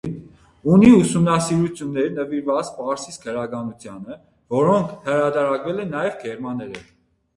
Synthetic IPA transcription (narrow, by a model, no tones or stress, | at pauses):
uniusumnɑsiɾut͡sʰjunːɛɾnəviɾvɑt͡spɑɾsiskʰəɾɑɡɑnut͡sʰjɑnə | vɔɾɔŋkʰhəɾɑd̪ɑɾɑkvɛlɛnːɑjɛvɡɛɾmɑnːɛɾə̰